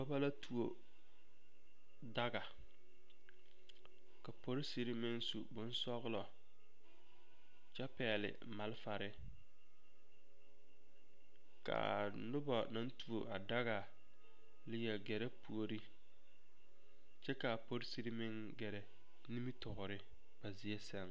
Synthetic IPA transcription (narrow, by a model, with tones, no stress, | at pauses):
bɔ˦ba˦la˦tu˨o˨ | da˦ɡa˨ | ka˨po˦ɾɪ˦si˨ɾɪ˦mɪ˦ŋsu˨bʊ˨˦n˦sɔ˦ɣlɔ˨ | t͡ʃɛ˦pɛː˨lɪ̰˨ | ma˨lɪ˦fa˨ɾɪ˦ | ka̰˨ | nʊ˦bɔ˨na˦n˦tu˨o˨ʔa˨da˦ɣa˨ | lɪ˦jɛ˨ɡɛ˨ɾɛ˦pu˨o˨ɾi˦ | t͡ʃɛ˦ka˨po˦ɾsi˦ɾi˦mɪ˦ŋ | ɡɛ˨ɾɛ˨ | ni˦mi˦tʊ˨ɣʊ˨ɾɪ˦ | ba˨zi˦ɛ˦sɛ˦˨ŋ